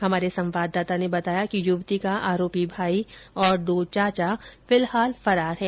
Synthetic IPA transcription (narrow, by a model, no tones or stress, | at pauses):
hɐmaːɾesɐ̃mʋaːd̪ːaːt̪anebɐt̪aːjakijʊʋt̪ikaʔaːɾoːpibʱaːiɔːɾɖ̪oːt͡ʃaːt͡ʃafɪlhaːlfɐɾaːɾɦɛ̃ː